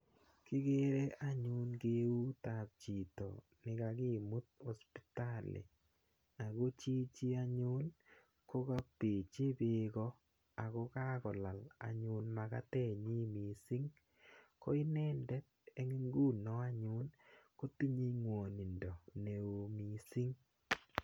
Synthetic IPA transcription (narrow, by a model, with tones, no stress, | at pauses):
kɪ˦ɡe˦ɾe˦ʔa˦ɲʊ˦nɡe˦u˦ta˨p̚t͡ʃi˨tɔ̰˨ | nɪ˨ka˧kɪ˦mu˦t̪̚ɔ˨spi̥˦ta˦lɪ̰˨ | a˨ɡo˦t͡ʃi˦t͡ʃi˦a˦ɲʊ˦n | ko˦ka˦pe˨t͡ʃe˦be˦ɡɔ˦ | a˨ɡɔ˦ka˦kɔ˨la˨la̰˨ɲʊ˦nma˨ka̰˦t̪ɛ˦˨ɲi˦mi˨si˦ŋ | ko˦i˦nɛ˦ndɛ˦t̚ | e˦ŋi˦ŋɡu˦˨nɔ˨˦a˦ɲʊ˦nko˦ti˦ɲi˦ŋwo˨ni˨ndɔ˨ne˨o˨mi˨si˦ŋ